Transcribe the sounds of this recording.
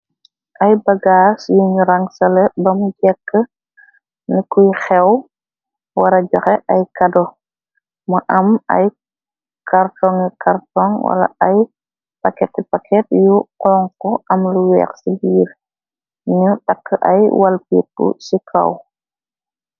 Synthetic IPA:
ʔɐjbɐɡaːsjuɲuɾɐŋsɐlɛbɐmuɟɛkːə | nikujxɛw | wɐɾɐɟɔxɛʔɐjkɐdɔ | mɐʔɐmɐ̰j | kartɔŋɛkʰartɔŋwɐ̰lɐ̰ɐj | pɐkɛtːɛpakʰɛtjuqɔːŋkɔʔɐmluwɛ̰ːxsibiːɾ | ɲutakːəʔɐjwɐlpit̚ːṵsikʰɐ̰w

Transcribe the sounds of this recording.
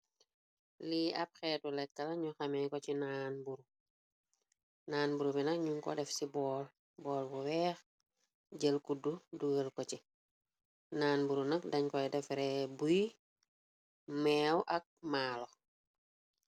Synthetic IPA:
liɐp̚xɛːtulɛkːɐlɐɲuxɐmɛkɔcinaːnbuɾu | naːnbuɾubinɐkɲuŋkɔ̰dɛfsibɔːl | bɔːlbuwɛːx | ɟəlkududuɡəlkɔci | naːnbuɾunɐk̚dɐɲkɔdɛfɾɛbuj | mɛːwʔɐk̚maːlɔ

